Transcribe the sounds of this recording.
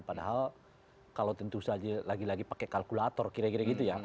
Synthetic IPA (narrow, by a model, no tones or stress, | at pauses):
padaɦal | kalawt̪ənt̪uusad͡ʒalaɡilaɡipakɛkalkulat̪ɔrkiɾɛkiɾɛɡit̪uja